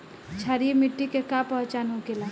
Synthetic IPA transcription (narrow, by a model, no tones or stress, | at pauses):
t͡ʃʰaːɾimɪʈːikekapɐɦt͡ʃaːnɦokelaː